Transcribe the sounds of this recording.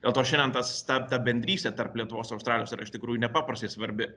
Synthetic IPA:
dd̥ʲeːlˠt̪oːʃʲɛnʲdʲɛnt̪ɐst̪ɐt̪ɐbʲɛnʲd̪ʲɾʲiːsʲt̪ʲɛt̪ɐrplʲiɛt̪ʊʋoːsɐʊst̪ɾɑːlʲɪjoːsiɾɐɪʃt̪ʲɪkɾuːjʊnʲɛpɑːpɾɐst̪ʲɛɪsʋɐɾʲbʲɪ

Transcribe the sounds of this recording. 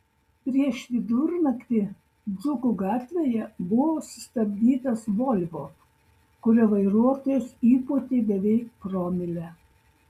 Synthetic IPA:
pʲɾʲiɛʃʋʲɪd̪ʊɾnɐkʲt̪ʲɪ | d̪zʊkʊɡɑːt̪ʲʋʲejɛbʊʋoːsʊ̥st̪ɐbʲd̪ʲiːt̪ɐsʋɔlʲʋoː | kʊɾʲɛʋɐɪɾuɔt̪oːjosiːput̪ʲebʲɛʋʲɛɪk̚pɾɔːmʲɪlʲɛ

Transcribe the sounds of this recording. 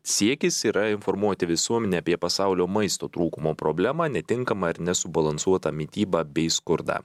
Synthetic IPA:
sʲiɛkʲɪsiːɾɐɪnfɔɾmuɔt̪ʲɪʋʲɪsuɔmʲɛnʲeːɐpʲiɛpɐsɑʊlʲoːmɐɪst̪oːt̪ɾuːkʊmoːpɾobʲlʲæːmɑːnʲɛt̪ʲɪŋkɐmɐɪɾnʲɛsʊbɐlˠɐnsuɔt̪ɐmʲɪt̪ʲiːbɑbʲɛɪskʊɾd̪ɑ̰ː

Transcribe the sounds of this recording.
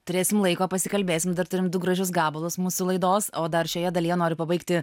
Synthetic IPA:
t̪ʊɾʲeːsʲɪmlˠɐɪkoːpɐsʲɪkɐlʲbʲeːsʲɪmd̪ɐrt̪ʊɾʲɪmd̪ʊɡɾɐʒʲʊsɡɑːbɐlˠʊsmuːsʊlˠɐɪd̪oːsoːd̪ɐɾʃʲoːjɛd̪ɐlʲijɛnoːɾʲɪpɐbɐɪkt̪ʲɪ

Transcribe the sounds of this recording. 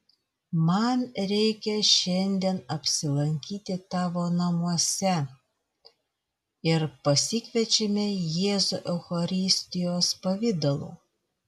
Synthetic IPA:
mɐnɾʲɛɪkʲɛʃʲɛnʲd̪ʲiɛnɐpʲsʲɪlˠɐŋʲkʲiːt̪ʲɪt̪ɑːʋoːnɐmuɔsʲɛ | ɪɾpɐsʲɪkʲʋʲɛt͡ʃʲemʲejeːzṵʔɛʊxɐɾʲɪsʲt̪ʲɪjoːspɐʋʲɪd̪ɐlˠṵː

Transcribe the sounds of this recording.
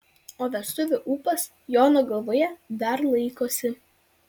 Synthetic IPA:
oːʋʲɛst̪ʊʋʲʊʔuːpɐs | joːnoɡɐlˠʋoːjɛd̪ɐɾlˠɐɪkoːsʲɪ

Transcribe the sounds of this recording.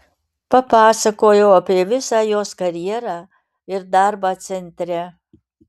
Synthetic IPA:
pɐpɑːsɐkoːjɛʊɐpʲeːʋʲɪsaːjoːskɐɾʲjɛɾaː | ɪɾd̪aɾbaːsʲɛnʲt̪ʲɾʲɛ

